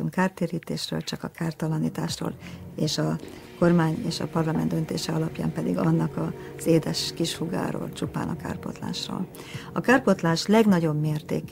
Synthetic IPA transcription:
uŋkaːrt̪eːɾiːt̪eːʃrø̰ːlt͡ʃɒkɒkaːrt̪ɒlɒniːt̪aːʃro̰ːleːʃɒ | ko̞rmaːɲeːʃɒ̰pɒrlɒmɛnd̪ø̞nt̪ḛːʃɛɒlɒpja̰ːmpɛd̪ḭɡɒnːɒkɒ | z̥eːd̪ɛʃkiʃfuɡa̰ːɾo̰ːlt͡ʃupa̰ːnɒ̰ka̰ːrpo̞̰t̪la̰ːʃro̰ːl | ɒkaːrpo̞t̪laːʃlɛɡnɒɟo̞bmeːrt̪eːk

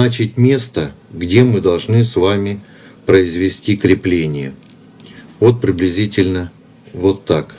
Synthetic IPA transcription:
at͡ɕɪt̚ʲmʲe̞st̪əɡdʲe̞mɨd̪ɐlˠʐnɨsvamʲɪ | pɾəɪzvʲɪsʲtʲikɾʲɪplʲenʲɪjə | vo̞t̪̚pɾʲɪblʲɪzʲitʲɪlʲnə | vo̞t̪ːak

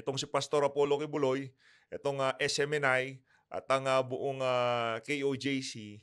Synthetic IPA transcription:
ʔɛt̪oŋsɪpɐst̪o̞ɾɐpo̞ːlo̞kɪbʊlo̞j | ʔɛt̪o̞ŋaʔɛsɛmɛnaj | ʔɐ̰t̪ɐŋabʊʔoŋakejʔod͡ʒejsi

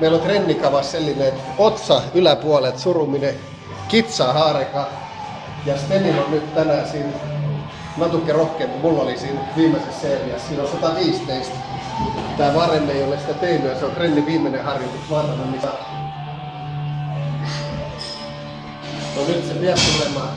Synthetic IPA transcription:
meilont̪renːikɑʋɑsselːinet̪ot̪sɑylæpuɑlet̪surumine | kit̪sɑːhɑːrekɑ | jɑst̪eninonnyt̪t̪ænæsiːn | nɑt̪ukːerohkeːmpumulːolisiːnʋiːmːesesseːriɑssiːnolsɑt̪ɑʋiːst̪eist̪ | t̪æːʋɑremːeeijolesi̥t̪æt̪einyjɑseokrenːiʋiːmːˑenehɑrjot̪iksʋɑrmɑnːisɑ | nonyt̪sepiæsolemˑɑː

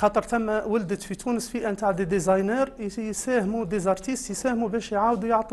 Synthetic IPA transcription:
xɑt̪ˤəɾˤt̪æmːæwəld̪əfit̪ʰunəsfiʔænt̪aʕd̪id̪izɑjnæɾjsæhmud̪ezɑɾˤt̪ist̪jsæhmubæʃjʕawd̪ujəʕt̪ˤi

